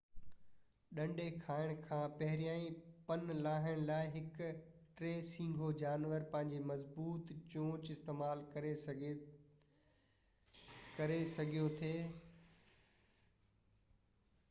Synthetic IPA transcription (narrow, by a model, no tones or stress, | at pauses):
ɗɐ̃ɳɖʱekʰaːɪɽ̃kʰãːpɐɦɪɾijãːĩpɐnlaːɦɪɽ̃laːɪɦɪk | ʈɾeːsĩːŋɡʱod͡ʑaːnʋəɾpɐ̃ɦɪ̃ɲd͡ʑemɐzbuːt̪t͡ɕõːt͡ɕɪst̪eːmaːlkɐɾe | kɐɾesɐɡʱijot̪ʰeː